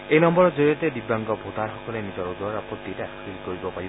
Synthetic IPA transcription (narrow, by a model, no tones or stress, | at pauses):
ejnɔmbɔɹɔd͡ʒoɹiɔted̪ibaŋɡɔbʱot̪aɹxɔkɔlenid͡ʒɔɹɔdɔɹapɔt̪ːitaskilkoɹibɔpaɹib